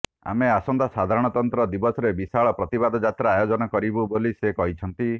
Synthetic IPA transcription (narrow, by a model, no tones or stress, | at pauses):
a̰measɔnd̪asad̪ʱaɾɔɽ̃ɔt̪ɔnt̪ɾɔd̪ibɔsɔɾebisaɭɔpɾɔt̪ibad̪ʱɔd͡ʒat̪ɾaajod͡ʒɔnɔkɔɾibubolisekɔɦit͡ʃʰɔnt̪i